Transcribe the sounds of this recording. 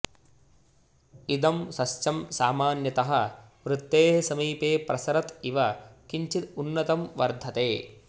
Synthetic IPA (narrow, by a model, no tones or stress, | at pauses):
id̪ɐmsɐst͡ʃɐmsaːmaːnjɐt̪ɐɦɐ̆ | ʋɾɪt̪ːeːɦsɐmiːpeːpɾɐsɐɾɐt̪iʋɐkiɲt͡ʃit̪unːɐt̪ɐmʋɐ̰ɾd̪ʱɐt̪eː